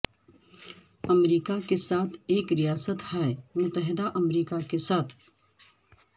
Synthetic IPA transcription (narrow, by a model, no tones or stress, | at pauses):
ɐmɾiːkakesaːt̪ʰeːkɾijaːsət̪hɛːmʊt̪ːəɦɪd̪aʔɐmɾiːkakesaːt̪ʰ